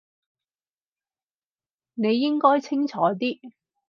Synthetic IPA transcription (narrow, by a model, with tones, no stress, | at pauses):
ne˨˧jːɪ˥ŋkɔː˥jt͡sʰɪ˥ŋt͡ʃʰɔː˨˧˥t̪iː˥